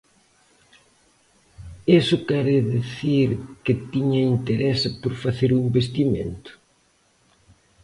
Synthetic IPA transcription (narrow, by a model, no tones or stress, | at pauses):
esʊkɛɾɪðiθiɾkɪt̪iɲɐint̪eɾɛsapoɾfaθeɾumbest̪imḛnt̪ʊ̥